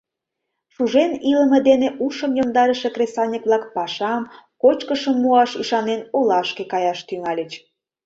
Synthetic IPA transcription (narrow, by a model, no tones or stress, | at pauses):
ʃuʒenilə̆mə̆d̪eneʔuʃəmjomd̪ɑɾəʃekresɑnʲikβlɑkpɑʃɑmkot͡ɕkəʃəmːuɑʃiʃɑnenolɑʃkekɑjɑʃt̪yŋɑlʲət͡ɕ